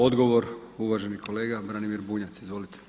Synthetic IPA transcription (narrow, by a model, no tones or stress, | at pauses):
o̞d̪ɡo̞ʋo̞ɾuʋaʒe̞niko̞le̞ːɡabɾanimiɾbuːɲat̪sizʋo̞lit̪e̥